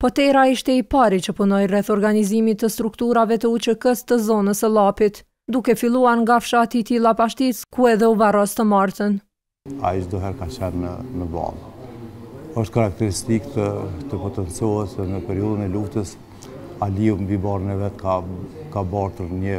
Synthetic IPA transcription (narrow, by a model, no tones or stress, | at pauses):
pɔt̪ɛɾaiʃt̪ɛipaɾit͡ʃəpunɔjrɛθɔɾɡanizimit̪əst̪ɾukt̪uɾavɛt̪əut͡ʃəkəst̪əzɔnəsəlˠapit̪ | d̪ukɛfilˠuaɾŋɡafʃat̪it̪ilˠapaʃt̪iskuɛðɛuvarɔst̪əmaɾt̪ən | a̰iʃd̪ɔɦɛɾkat͡ʃɛnːə̰nəbɑ̰lˠ | əʃt̪̚kaɾak̚t̪ɛɾist̪ikt̪ət̪əpɔt̪ɛnt͡sjɔəsðɛnəpɛɾiɔðənɛluft̪əs | aliumbibɑɾənɛvɛt̪ka | kabɑɾt̪əɾɲə